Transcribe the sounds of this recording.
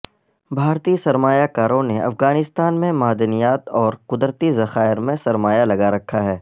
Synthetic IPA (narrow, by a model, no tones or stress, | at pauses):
bʱaːɾt̪isɐɾmaːjakaːɾõneɐ̰fɣaːnɪst̪aːnmẽmaːd̪ənijaːt̪ɔːɾqʊd̪ɾət̪izɐxaːɪɾmẽsɐɾmaːjalɐɡaɾɐkʰːaɦɛː